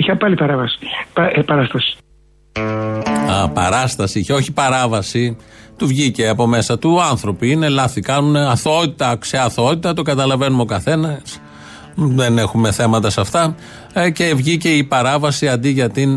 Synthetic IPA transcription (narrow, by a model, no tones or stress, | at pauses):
içɐpɐlipɐɾɐvɐsi̥ppɐɾɐst̪ɐsi̥ | ɐpɐ̰ɾɐst̪ɐsiiçeo̞çipɐɾɐvɐsit̪uvʝice̞ɐpo̞me̞sɐt̪uɐnθɾo̞piine̞lɐθikɐnuneɐθoot̪it̪ɐkseɐθoot̪it̪ɐt̪o̞ɡɐt̪ɐlɐve̞numo̞kɐθe̞nɐs | ðe̞ne̞xume̞θe̞mɐt̪ɐsɐft̪ɐ | ce̞vʝice̞ipɐɾɐvɐsiɐnd̪iʝɐt̪in